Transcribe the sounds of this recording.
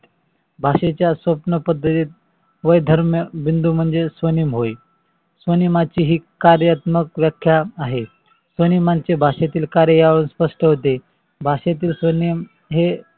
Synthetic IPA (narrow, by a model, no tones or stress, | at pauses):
bʱaɕet͡ɕjasʋəpnəpəd̪ʱːət̪iːt̪̚ | ʋəjd̪ʱəɾmjəʋind̪uːm̤əɳd͡zesʋənimɦoj | sʋənimat͡ɕiːɦiːkaɾjat̪məkʋjakʰːjaːɦe | sʋənimant͡sebʱaɕat̪iːlkaɾjəjaʋɭuːnspəʂʈəɦot̪e | bʱaɕat̪iːlsʋənim | ɦe